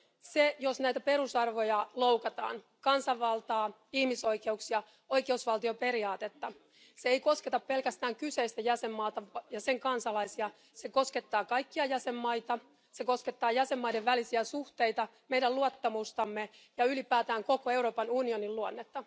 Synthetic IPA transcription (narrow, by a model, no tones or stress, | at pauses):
sejosnæjt̪æpe̞ɾusɑrʋo̞jɑlo̞wkɑt̪ɑ̰ːn | kɑnsɑʋːɑlt̪ɑː | ihmiso̞jkeuksiɑ | o̞jkeusʋɑlt̪io̞pe̞ɾiɑːt̪et̪ːɑ | seeiko̞sket̪ɑppe̞lkæst̪æːŋkyse̞ist̪æjæsemːɑːt̪ɑjɑseŋkɑnsɑlɑisiɑ | se̞ko̞ske̞t̪ːɑːkɑjkːiɑjæsemːɑjt̪ɑ | seko̞sket̪ːɑːjæsemːɑjde̞ʋʋælisiæsuht̪e̞jt̪ɑmejdæluɑt̪ːɑmust̪ɑmːejɑylipæːt̪æːŋko̞koe̞wɾo̞ːpɑnunio̞nilluonːet̪ːɑ